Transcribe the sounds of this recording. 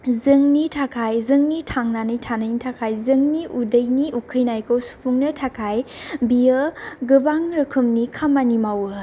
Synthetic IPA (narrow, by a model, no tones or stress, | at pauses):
zɯŋnitʰakʰajzɯŋnitʰaŋnanɯjtʰanɯjnitʰakʰajzɯŋniʔudəjniʔukʰɯjnajkʰowsu̥pʰuŋnɐtʰakʰajbijɯɡɯbaŋɾɯkʰɯmnikʰamanimawɯ